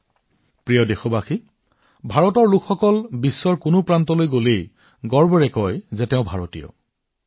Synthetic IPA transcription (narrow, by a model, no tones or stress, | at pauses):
pɹijɔdexobaxi | bʱaɹɔtɔɹlukʰxɔkɔlbisːɔɹkʊnʊpɹantɔlojɡolej | ɡɔɹbɔɹɛkɔjzɛtɛʊ̃bʱaɹɔtḭjɔ̰